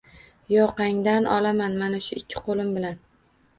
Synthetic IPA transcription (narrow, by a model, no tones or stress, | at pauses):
jɒqɑŋd̪anɒlamanmanaʃʊɪkʲʰːɪ̥qʰolˠɪmbɪlan